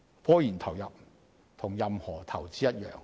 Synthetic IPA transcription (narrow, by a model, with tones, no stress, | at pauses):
fɔː˥jiː˨˩nt̪ʰɐ˨˩wjɐ˨p̚ | t̪ʰʊ˨˩ŋjɐ˨mhɔː˨˩t̪ʰɐ˨˩wt͡siː˥jɐ˥t̚jœː˨ŋ